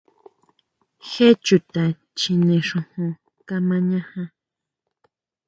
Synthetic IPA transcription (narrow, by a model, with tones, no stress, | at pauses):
xe˦t͡ʃu˨t̪a˨ | t͡ʃĩ˧nẽ˨ʂõ˧hõ˧ | ka˧mã˧ɲã˦hã˧